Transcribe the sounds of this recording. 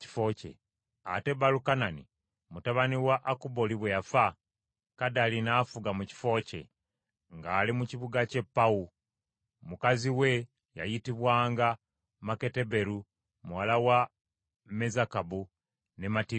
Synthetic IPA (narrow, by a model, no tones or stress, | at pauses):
ci̥fo̞cḛ | a̰te̞balukananḭ | mutaβaniwaʔakubo̞liβwejafa | kadalinaːfuɡamuci̥fo̞ːce̞̰ | ŋɡaːlimuciβuɡace̞pːau | mukaziwe̞ | ja̰jitiβwaːŋɡa | make̞te̞be̞ɾu | muwalawa | me̞zakabu | ne̞mati